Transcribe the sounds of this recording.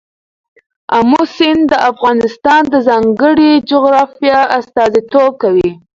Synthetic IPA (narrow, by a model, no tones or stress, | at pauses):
amusɪnd̪əʔafɣɑnɪst̪ɑnd̪əzɑŋɡəɽid͡ʒʊɣɾɑfjɑast̪ɑzit̪ob̚kawi